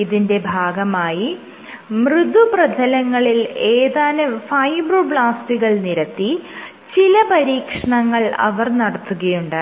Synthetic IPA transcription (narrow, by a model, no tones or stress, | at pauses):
iðinde̞bʱaːɡɐmaːji | mrɨd̪ʱuprɐdʱɐlɐŋːɐɭileːðaːnɐfɐjbrɨbɭaːstiɣɐɭniɾɐt̪ːi | t͡ɕilɐpɐɾiːkʂɐɳɐŋːɐɭɐ̰ʋɐrnɐɽɐt̪ːuɣɐjuɳɖaː